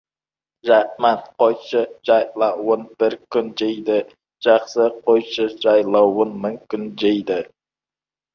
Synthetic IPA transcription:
ʒahmanqojʃəʒ̥ɑjlˠɑwonb̥ɪɾkʲʏnd͡ʒejd̪ɪ | ʒ̥ɑχsəqʰojʃəʒɑjlˠɑwonmɪŋkʰʲʏnd͡ʒejd̪ɪ

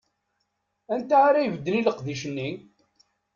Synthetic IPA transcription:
ænt̪aaɾajəvəd̪ːəniləqðiʃənːi

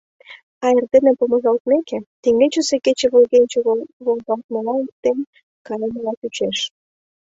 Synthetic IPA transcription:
ɑerd̪enĕpomə̆ʒɑlt̪mekĕt̪eŋɡet͡ɕuseket͡ɕĕβolɣenʲt͡ɕeβolɣɑlt̪̚məlɑnt̪en | kɑjeməlɑt̪yt͡ɕeʃ

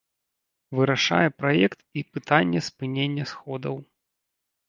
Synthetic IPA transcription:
vɨɾaʂa̰jɛpɾajɛkt̪ipɨt̪anʲːɛspɨnʲenʲːɐsxɔd̪ɐw

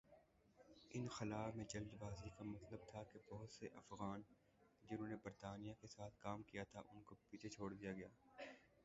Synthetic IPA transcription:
ɪnxɪlaːbmẽd͡ʒɐld̪baːzikamɐt̪ləb̚t̪ʰakebɔɦʊt̪seʔɐfɣaːn | d͡ʒɪnɦõːnebɐɾt̪aːnijakesaːt̪ʰkaːmkijat̪ʰaʔʊnkopiːt͡ʃʰet͡ʃʰoːɽd̪ijaɡɐjaː

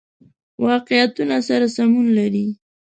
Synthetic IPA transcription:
wɑqɪjat̪unasaɾasamunlaɾi

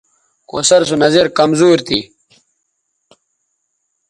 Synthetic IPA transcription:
ko̰sɐɾs̬unɐzeɾkɐmzuːɾt̪i

